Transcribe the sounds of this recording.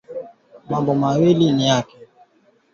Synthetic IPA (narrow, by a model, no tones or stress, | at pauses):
mambʊmaweliniakɪ̥